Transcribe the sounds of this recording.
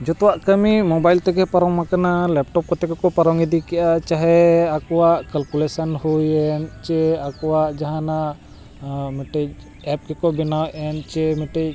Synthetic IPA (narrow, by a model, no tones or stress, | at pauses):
d͡ʒɔt̪ɔwaʔkəmimɔbajlt̪ɛɡɛpaɾɔŋmakanalɛp̚ʈɔp̚kɔt̪ɛkɔkɔpaɾɔŋid̪ikɛʔat͡ʃaɦɛakɔwaʔkalkulɛsanhujɛnt͡ʃɛakɔwaʔd͡ʒaɦana | mɛʈɛj | ɛp̚kɛkɔbɛnawʔɛnt͡ʃɛmɛʈɛj